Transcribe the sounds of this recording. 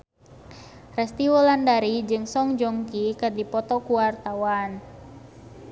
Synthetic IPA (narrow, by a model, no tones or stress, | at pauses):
rɛst̪iwɔlandaɾid͡ʒɨŋsɔŋd͡ʒɔŋkikadipɔt̪ɔkuwart̪awan